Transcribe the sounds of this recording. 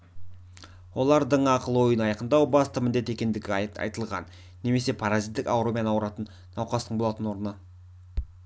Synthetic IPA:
wo̞lˠɑɾd̪əɴɑqəlˠwo̞jənɑjɑqənd̪ɑwbɑst̪əmɪnd̪e̞t̪e̞kʲe̞nd̪ɪɡʲɪɑ̰jt̪əlˠʁɑ̰nː | e̞me̞se̞pʰaɾazit̪ːɪkɑwɾo̞mʲijɑnɑwɾɑt̪ənːɑwqɑst̪əɴbo̞lˠɑt̪ənwo̞ɾənə

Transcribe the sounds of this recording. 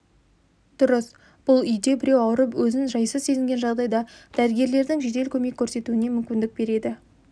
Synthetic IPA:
d̪̥ʊɾəs | b̥ʊlˠʏjd̪e̞bɪɾewɑwəɾəpwɵzɪnʒɑjsəzse̞zɪŋɡʲenʒɑʁd̪ɑjd̪ɑd̪̥æɾɪɡʲe̞ɾle̞ɾd̪ɪŋʒe̞d̪e̞lkʲʰɵme̞kʲʰːɵɾse̞t̪uɪne̞mʏmkʲɪnd̪ɪk̚be̞ɾe̞d̪ɪ

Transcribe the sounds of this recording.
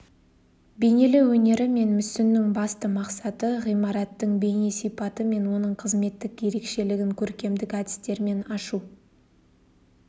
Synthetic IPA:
be̞ne̞lɪwɵne̞ɾɪme̞nmʏsɪnːɪŋbɑst̪əmɑqsɑt̪əʁijmɑɾɑt̪ːəɴbe̞jnesijpɑt̪əme̞nwo̞nəɴqʰəzme̞t̪ːɪkje̞ɾe̞kʃe̞lɪɡʲɪŋkʲʰɵɾkʲe̞md̪ɪkæd̪ɪ̥st̪e̞ɾme̞nɑʃu

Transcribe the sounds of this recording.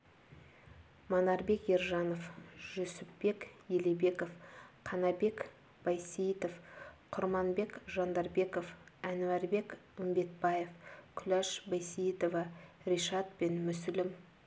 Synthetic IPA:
mɑnɑɾbe̞kje̞ɾʒɑno̞fʒ̥ɵsɪpːe̞kjelebe̞kofqʰɑnɑbe̞k | b̥ɑjsijt̪o̞fqʰʊɾmɑnbe̞kʒɑnd̪ɑɾbe̞ko̞fænuæɾbe̞kʊmbe̞t̪̚bɑje̞fkʲʰʏlæʃbɑjsijt̪ovɑriʃɑt̪̚pe̞nmʏsɪlɪm

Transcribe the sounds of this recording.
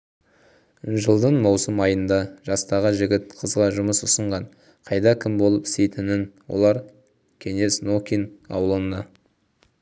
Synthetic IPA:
ʒəlˠd̪əɴmɑwsəmɑjənd̪ɑʒ̥ɑst̪ɑʁəʒɪɡʲɪt̪̚qʰəzʁɑʒʊməsʊsəɴʁɑɴ | qʰɑjd̪ɑkʲʰɪmbo̞lˠəpɪ̥st̪e̞jt̪ɪnɪnwo̰lˠɑɾ | kʲʰe̞ŋe̞snokʲinɑ̰wlˠənɑ

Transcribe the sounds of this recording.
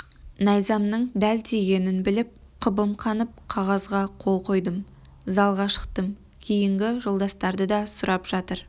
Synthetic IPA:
nɑjzɑmnəɴd̪æld̪eɡʲe̞nɪnbɪlɪp̚ | qʰəbəmqʰɑnəp̚qʰɑʁɑzʁɑqʰo̞lˠqʰo̞jd̪əm | zɑlˠʁɑʃə̥qt̪əm | kʲʰejɪŋɡʲɪʒo̞lˠd̪ɑst̪ɑɾd̪əd̪ɑsʊɾɑpʒ̥ɑt̪əɾ

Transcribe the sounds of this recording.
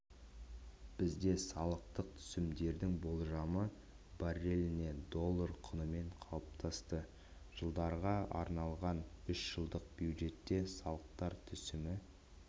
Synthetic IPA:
b̥ɪzd̪e̞sɑlˠəq̚t̪əq̚t̪ʰʏ̥sɪmd̪e̞ɾd̪ɪŋbo̞lˠʒɑmə | baɾe̞lɪne̞d̪o̞lˠːəɾqʰʊnəme̞ɴqʰɑlˠəp̚t̪ʰɑst̪ə | ʒ̥əlˠd̪ɑɾʁɑɑ̰ɾnɑlˠʁɑnʏʃʒ̥əlˠd̪əq̚bjuwʒe̞t̪ːe̞sɑlˠəq̚t̪ɑɾt̪ʰʏsɪmɪ

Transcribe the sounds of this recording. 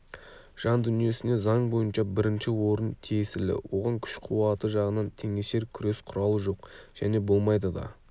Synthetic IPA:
ʒ̥ɑnd̪ʏnije̞sɪne̞zɑɴbo̞jənʃɑbɪɾɪnʃɪwo̞ɾənt̪ʰijesɪlɪ̰wo̞ʁɑŋkʲʰʏ̥ʃqʰuwɑt̪əʒɑʁənɑnt̪ʰe̞ŋeʃe̞ɾkʲʰʏɾe̞sqʰʊɾɑlˠəʒo̞qʒ̥æne̞bo̞lˠmɑjd̪əd̪ɑ̰

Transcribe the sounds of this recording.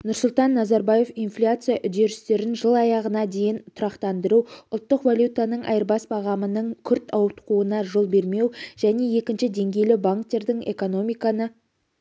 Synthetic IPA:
nʊɾsʊlˠt̪ɑnːɑzɑɾbaje̞finflʲat̪sɨjaʔʏd̪e̞ɾɪst̪e̞ɾɪnʒəlˠɑjɑʁənɑd̪e̞jɪnt̪ʰʊɾɑqt̪ɑnd̪əɾuʊlˠt̪ːəqvalʲjut̪anəɴʔɑ̰jəɾbɑsbɑʁɑmənəɴkʲʰʏɾt̪ʰɑwət̪quənɑʒo̞lˠbe̞ɾme̞wʒ̥æne̞je̞kʲɪnʃɪd̪e̞ŋɡʲe̞jlɪbaŋkt̪ːe̞ɾd̪ɪŋe̞̰ko̞no̞mijkɑnə

